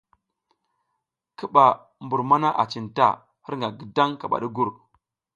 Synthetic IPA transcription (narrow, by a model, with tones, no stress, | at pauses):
ki˦ɓa˨ | mbu˨ɾma˦na˦ʔa̰˨t͡ʃi˨nta̰˦ | hi˦ɾŋɡa˨ɡi˨da˦ŋka˨ɓa̰˨ɗi˦ɡu˦ɾ